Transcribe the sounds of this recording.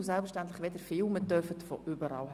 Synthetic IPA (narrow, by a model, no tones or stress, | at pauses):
sɛlpfəɾʃtænt̪ləχʋɛd̪əɾfɪːlmət̪œfət̪fo̰ʔʏbəɾɑ̰ːlh